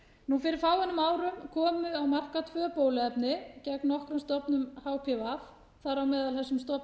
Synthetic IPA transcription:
nufɪɾɪɾ̥faːwɛnʏmaːwɾʏmkʰɔːmʏawmar̥kat̪ʰvœːpoːwlɪɛpnɪcɛknɔhkɾʏmst̪ɔpnʏmhaːwpʰɪvaf | θaɾawmɛːðalhɛsːʏmst̪ɔp

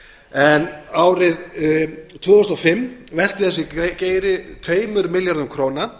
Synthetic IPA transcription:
ɛnaːwɾɪð | t̪ʰvʏːðɔst̪ɔfɪmːvɛl̥t̪ɪθɛs̬jɛceːjɾɪt̪ʰveːjmʏɾmɪljaɾðʏmkʰɾoːwna

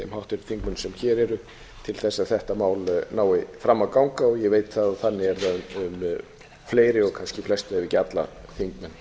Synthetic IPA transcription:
ɛmhawht̪ɛɾʏ̥θiŋkmʏnsɛmçɛːɾɛɾʏ | t̪ʰɪlθɛsːaðθɛht̪amaːwlnaːwɪfɾamːawkawŋkaɔɣjɛveːjt̪θaðaθanːɪɛɾðaʏm | fleːjɾɪɔɣkʰanscɪflɛst̪aɛvɪcat̪la̰θiŋkmɛn

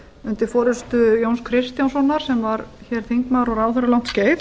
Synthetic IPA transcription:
ʏnt̪ɪfɔːɾʏst̪ʏjownskʰɾɪst̪jansɔnːaɾ̥sɛmvaɾçɛɾ̥θiŋkmaðɾɔɾawθœɾʏlawn̥t̪sceːjf

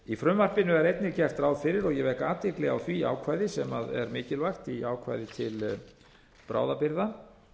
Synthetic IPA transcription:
ifɾʏmvar̥pɪnʏɛɾejt̪̚nɪcɛr̥t̪ɾaːwðfɪɾɪɾɔɣjɛvɛhkaːt̪ɪklɛɣawθvia̰ːwkʰvaːjðɪsɛmaðɛ̰ɾmɪːcɪlvajxt̪iaːwkʰva̰ːjðɪt̪ʰɪl | pɾʔa̰ːwðapɪɾða

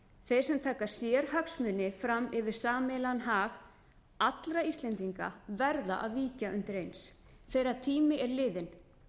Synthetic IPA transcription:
θejɾ̥sɛmt̪ʰaːkḁsjɛɾ̥haksmʏnːɪfɾamɪvɪɾ̥saːmɛlanɦaːɣ | at̪lɾaist̪lɛnt̪iŋka̰vɛɾða̰ʔaðviːcaʔʏnt̪ɪɾejns | θejɾaðt̪ʰiːmɪʔɛɾlɪːðɪn

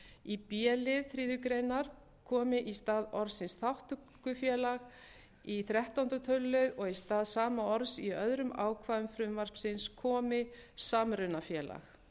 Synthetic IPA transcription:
ipjɛːlɪðθɾiːðʏkɾejnaɾ̥ | kʰɔːmɪʔist̪aːðɔɾsɪnsθawht̪ʏ | kʏfjɛːlaɣ | iθɾjɛht̪awnt̪ɾʏt̪ʰœlːʏðɔɣist̪aːðsaːmaɔɾsiœðɾʏma̰ːwkʰvaːðʏmfɾʏmvar̥psɪnskʰɔːmɪsaːmɾʏnafjɛːla̰x

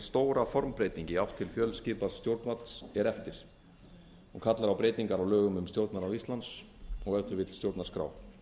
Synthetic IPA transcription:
st̪oːwɾafɔɾmpɾejt̪iɲcɪawht̪ʰːɪlfjœlscɪːpast̪jowɾt̪nvat̪lsɛɾɛft̪ɪɾ̥ | ɔɣkʰat̪laɾawpɾeːjt̪iŋkaɾawlœːɣʏmʏmt̪jowɾt̪naɾawist̪lant̪s | ɔɣɛt̪ʏɾvɪt̪l̥sjowɾt̪naɾskɾa̰ːw

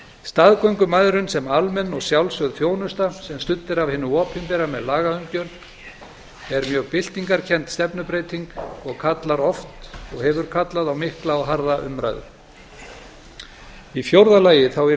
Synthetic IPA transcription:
st̪aðkoɥŋkʏmaðɾʏnsɛmalmɛnːɔɣsjawlsœðfjoːwnʏst̪asɛmst̪ʏt̪ːɪɾavhɪnːʏɔːphʏmpɛɾamɛðlaːɣaœŋcœɾ | ɛɾmjœːɣpɪl̥t̪iŋkaɾ̥cʰɛnt̪st̪ɛpnʏpɾeːjt̪iŋkɔɣkʰat̪laɾɔft̪ɔɣhɛvʏɾ̥kʰat̪laðawmɪhklaɔɣɦaɾðaʔʏ̰mɾa̰jðʏ̰̥ | ifjowɾðalaːjɪθawɛ

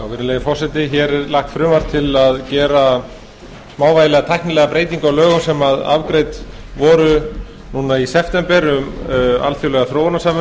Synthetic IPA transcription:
awvɪɾnɪleːjɪfɔrsɛt̪ɪçɛɾɛɾlaxt̪fɾʏːmvaɾ̥t̪ʰːɪlaðcɛːɾa | smaːwvajlɛɣat̪ʰajhknɪlɛːɣapɾeːjt̪iŋkawlœːɣʏmsɛmaða̰vkɾejt̪ | vɔːɾʏ | nuːnaisɛft̪ɛmpɛɾʏma̰lfjowlɛɣaθɾoːwanasamɪ

